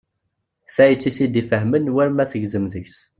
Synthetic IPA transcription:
sæjət͡sːisid̪ifəɦmənwæɾmæθəʝzəmðəçs

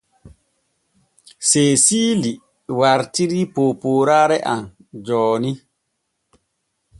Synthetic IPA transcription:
sesiːli | waɾtiɾipopoːɾaːɾɛʔan | d͡ʒɔːni

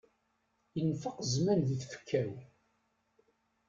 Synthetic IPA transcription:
jənfəqzmænðiθfə̥kʰːæw

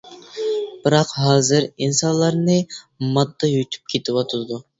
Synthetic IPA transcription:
b̥ɨɾɑqɦɑːzɨɾinsɑnlˠːɑɾnɨ | mɑd̪ːɑjyt̪ʰy̥p̚kʲʰet̪ʰɪwɑt̪ʰɨd̪u

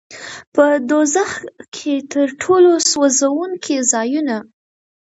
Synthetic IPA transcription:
pəd̪ozaxkʰet̪əɾʈʰoloswəzawuŋkʰezɑjuna

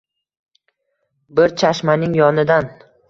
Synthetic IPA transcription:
bɪɾt͡ʃʰaʃmanɪŋjɒnɪd̪an

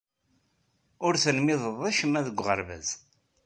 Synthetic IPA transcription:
ʊɾθənmɪðˤəðˤæʃəmæðəɡʷːʁə̰ɾvæ̰z

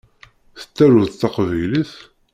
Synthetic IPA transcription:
θə̥t̪ːæɾuðt̪ːɑqvæjliθ

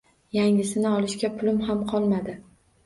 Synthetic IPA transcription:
jaŋɪsɪnɪɒlˠɪʃkʲapʰʊlɪmɦamqʰɒlˠmad̪ɪ

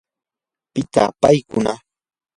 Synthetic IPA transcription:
pɪt̪a̰pajkʊna

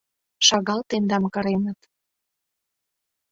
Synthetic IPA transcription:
ʃɑɣɑlt̪end̪ɑmkə̆ɾenət̪

